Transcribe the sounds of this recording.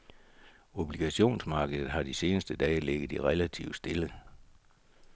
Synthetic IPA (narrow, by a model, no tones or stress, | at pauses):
o̝b̥liɡ̥æɕo̝̰ːnsmɑ̈ːɡ̥əð̩ˠɦɑ̈d̥ise̝ːnəsd̥əd̥ɛ̰ːleɡ̥əð̩ˠiʁɛlæt͡sʰiʊd̥sd̥e̝lə